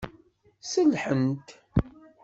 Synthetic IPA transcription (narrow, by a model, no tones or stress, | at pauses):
səlħənt̪